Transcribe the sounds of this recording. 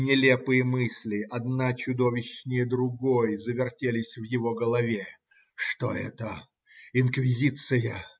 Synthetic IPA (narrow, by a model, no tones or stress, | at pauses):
nʲɪlʲepɨjəmɨsʲlʲɪʔɐd̪nat͡ɕʊd̪o̞vʲɪɕnʲɪjəd̪ɾʊɡojzəvʲɪrtʲelʲɪsʲvjɪvo̞ɡəlˠɐvʲe | ʂt̪o̰ɛ̰t̪ə | ɪnkvʲɪzʲit̪sɨjə